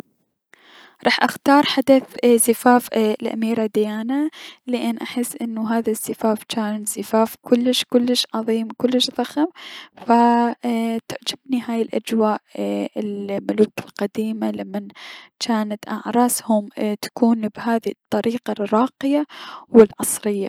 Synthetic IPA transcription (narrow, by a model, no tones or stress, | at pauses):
ɾˤɑːħʔaxt̪ɑːɾˤħad̪aθzɪfaːflʔa̰miːɾad̪ɪjaːnalɪʔɪnːʔaħɪsːʔɪnːuɦaːðazːɪfaːft͡ʃaːnzɪfaːfkʊlːɪʃkʊlːɪʃʕɑðˤiːmkʊlːɪʃðˤɑxamfa | t̪ɪʕd͡ʒɪbniɦaːjɪlʔa̰d͡ʒwaːʔɪlmʊluːkɪlqad̪iːmalamːant͡ʃaːnat̪ʔɑʕɾˤɑːshʊmt̪ḁkuːnbhaːðit̪ˤːɑɾiːqɑɾɑːqɪjawɪlʕɑsˤɾɪjːa